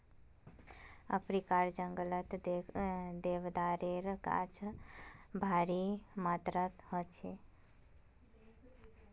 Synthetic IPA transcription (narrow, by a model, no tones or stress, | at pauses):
ə̰pɾikaɾd͡ʒəŋɡələt̪ | d̪eʋd̪aɾeɾka̰t͡ʃʰ | bʱaɾimat̪ɾət̪ɦɔt͡ʃʰe